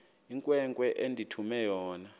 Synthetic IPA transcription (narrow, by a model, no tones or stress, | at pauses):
iŋkʼwɛŋkʼwɛʔendʱitʰumɛjɔːna